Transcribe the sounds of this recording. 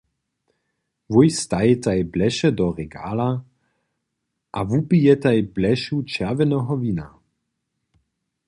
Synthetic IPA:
vujst̪ajɛt̪ajblɛʃɛd̪ɔʁɛɡa̰ːla | ʔavupijɛt̪ajblɛʃut͡ʃɛʁvɛnɔɦɔviːna̰

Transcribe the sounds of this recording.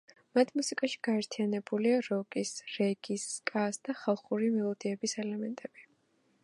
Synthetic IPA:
mat̪ʰmusiɡʼaʃi̥ɡ̥aɛɾt̪ʰianɛbuliaɾɔkʼisɾɛɡiskʼasd̪̥aχalˠχuɾimɛlˠɔd̪iɛbisɛlɛmɛnt̪ʼɛb̥i

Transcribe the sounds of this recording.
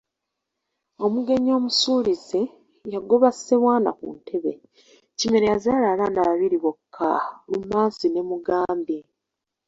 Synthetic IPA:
o̞muɡe̞ɲo̞ːmusuːlize | jaɡo̞βase̞βwaːna̰kṵntʰe̞βe̞̰ | cime̞ɾejazaːlaːlaːnaβaβiɾiβokʰːalumaːnzine̞muɡaːmbe

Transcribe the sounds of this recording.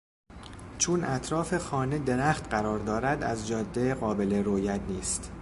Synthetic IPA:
t͡ʃʰunʔæt̪ʰɾɒːfe̞xɒːned̪e̞ɾæːxt̪ɢæɾɒːɾd̪ɒːɾæd̪æ̰zd͡ʒɒːd̪ːeɢɒːbe̞le̞ɾojæd̪niːst̪

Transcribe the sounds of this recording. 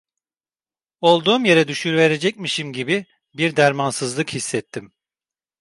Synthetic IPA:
o̞lˠd̪uːmje̞ɾɛd̪yʃyɾve̞ɾe̞d͡ʒɛc̚miʃimɟibi | biɾd̪æɾmansɯzlˠɯkhisːɛt̪ʰːim

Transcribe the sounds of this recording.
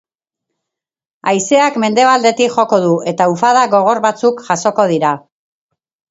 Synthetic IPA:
ajse̞akme̞nd̪e̞β̞ald̪e̞t̪ikʝo̞ko̞ðue̞t̪aufað̞aɣo̞ɣ̞o̞ɾβat͡sukʝaso̞ko̞ðiɾa

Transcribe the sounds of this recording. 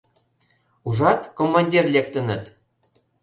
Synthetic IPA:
uʒɑt̪komːɑnʲdʲirlʲek̚t̪ə̆nə̆t̪

